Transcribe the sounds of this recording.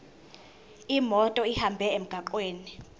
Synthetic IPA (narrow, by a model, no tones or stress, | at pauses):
imɔtʼɔihambʱɛem̩ɡ̥ʱaǃweːni